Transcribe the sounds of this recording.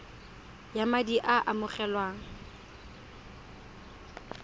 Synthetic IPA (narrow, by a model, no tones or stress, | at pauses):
jamadiʔaʔamʊχɛlwaːŋ̩